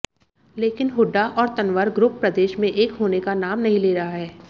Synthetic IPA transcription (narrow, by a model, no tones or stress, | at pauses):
leːkɪnɦʊɖːaʔɔːɾt̪ɐnʋəɾɡɾʊpːɾɐd̪eːʃmẽʔeːkɦoːnekanaːmnɐɦĩleːɾɐɦaɦɛː